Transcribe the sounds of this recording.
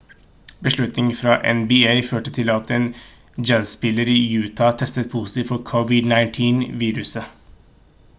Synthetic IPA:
bəʂɭʉt̪nɪŋfɾɑːʔɛ̰nbɪeɪføːʈət̪ʰɪlɑt̪ʰeːn | d͡ʒæːsspɪləɾiːjʉːt̪ʰɑt̪ʰɛst̪ət̪̚pʰusɪ̥t̪ʰiːʋfɔɾkʰɔʋɪd̪nɑɪnt̪ʰiːnʋiːɾʉsə

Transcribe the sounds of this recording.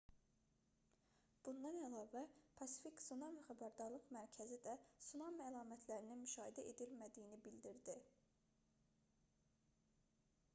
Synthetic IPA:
b̥und̪ɑnælˠɑːvæpʰɑsi̥fiksunɑmχæbæɾd̪ɑɾlˠɯqmæɾcʰæzid̪æsunɑmælˠɑːmæt̪ʰlæɾininmyʃɑːhid̪æʔe̞d̪ilmæd̪ijinibild̪iɾd̪i

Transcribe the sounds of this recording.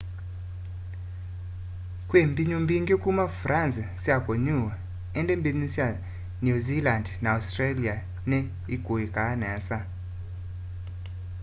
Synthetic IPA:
kʼwembiɲumbiŋɡekʼumafransɛsjakʼoɲuwa | ɛndʼembiɲusja | nuzilandnaustralia | nɛ | iɡ̥ʱoikʼanɛːsa

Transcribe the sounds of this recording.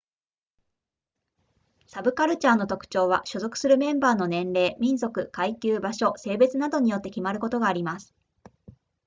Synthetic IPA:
sabɯ̟kaɾɯ̟t͡ɕanːo̞t̪o̞kɯ̟̥t͡ɕo̞ːβ̞aɕozo̞kɯ̟̥sɨɾɯ̟mẽ̞mbaːno̞nẽ̞nɾe̞ːmʲĩñzo̞kɯ̟kaikʲɨːbaɕo̞se̞ːbe̞t͡sɨnad̪o̞ɲ̟ijo̞t̪ːe̞kʲimaɾɯ̟ko̞t̪o̞ɡaːɾʲimasɨ̥

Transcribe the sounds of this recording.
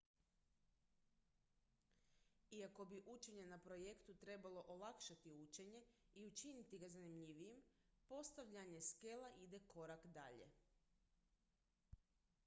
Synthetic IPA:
iako̞biʔut͡ʃe̞ɲe̞napɾo̞je̞kt̪ut̪ɾe̞balˠo̞ʔolˠakʃat̪iut͡ʃe̞ɲe̞iut͡ʃinit̪iɡazanimʎiʋijempo̞st̪aʋʎaɲe̞ske̞lˠaʔid̪e̞ko̞ɾakd̪a̰ʎe̞̰

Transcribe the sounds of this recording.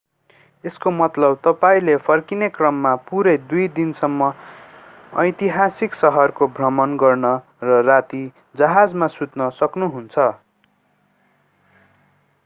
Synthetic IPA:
eskomʌt̪lʌb̚t̪ʌpaĩlepʰʌrkinekrʌmːapuɾʌjd̪ujd̪insʌmːʌ | ʌ̰jt̪iɦasiksʌɦʌrkobʱrʌmʌnɡʌrnʌ | rʌrat̪i | d͡zʌɦad͡zmasut̪nʌsʌknuɦunt͡sʰʌ

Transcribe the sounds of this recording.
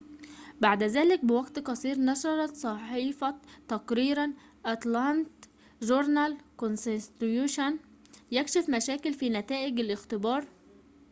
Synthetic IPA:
baʕd̪æzæːlɪk̚bɪwaɡt̪qɑsˤiːɾnɑʃɑɾˤɑt̪sˤɑħiːfɑt̪ːɑqɾiːɾan | ʔɑt̪lɑnt̪ | ʒʊɾˤnalkonsst̪juːʃan | jækʃɪfmæʃæːkɪlfiːnæt̪æːʔɪɡɪlʔɪxt̪ɪbɑːɾˤ

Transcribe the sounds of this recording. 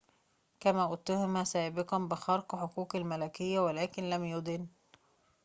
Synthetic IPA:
kæmæːʔʊt̪ːʊhʊmæsæːbɪqɑnbɪxɑɾˤqħokuːqalmælækɪjːæwælæːkɪnlæmjʊd̪ɪn

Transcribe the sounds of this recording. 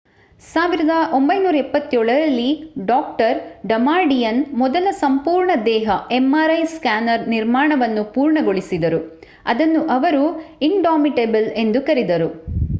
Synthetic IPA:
saːʋiɾɐd̪ɐʔo̞mbɐjnuːɾɐɛpːɐt̪ːjoːɭɐɾɐlːiɖaːk̚ʈɐɾɖɐmaːɾɖijɐnmɔd̪ɐlɐsɐmpuːɾɳɐd̪ɛːɦɐemːaːɾɐjskaːnɐɾniɾmaːɳɐʋɐnːupuːɾɳɐɡo̞ɭisid̪ɐɾu | ɐ̰d̪ɐnːuʔɐʋɐɾuiɳɖaːmiʈebɐle̞nd̪ukɐɾid̪ɐɾu

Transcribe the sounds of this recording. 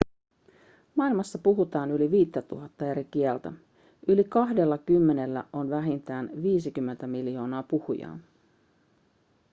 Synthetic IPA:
mɑilmɑsːɑpuɦut̪ɑːnyliʋiːt̪ːæt̪uɦɑt̪ːɑe̞ɾik̟iɛlt̪æ | ʔylikɑɦde̞lːɑkymːe̞ne̞lːæ̰ʔo̞nʋæɦint̪æːnʋiːsikymːe̞nt̪æmiljo̞ːnɑːpuhujɑ̰ːn

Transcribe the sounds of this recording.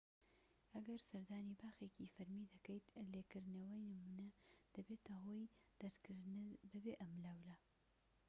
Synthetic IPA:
ʔɐɡɐɾsɐɾd̪aːnibaːxeːcifɐɾmid̪ɐkɐjt̪leːkɨɾd̪nɐwɐjnɨmunɐd̪̥ɐbet̪ɐɦoːjd̪̥ɐɾkbɨbeːʔɐmlawlɐ

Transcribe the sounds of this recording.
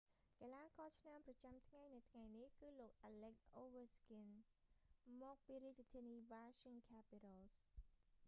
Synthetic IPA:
kalaːkɑːt͡ɕʰnamprɑt͡ɕamt̪ʰŋajnɨt̪ʰŋajnihkɨːloːk̚ʔalɛk̚ʔoːʋəskin | mɔːk̚piːɾiəc̚ːat̪ʰiəniːʋaːʃiŋkʰaːpitals

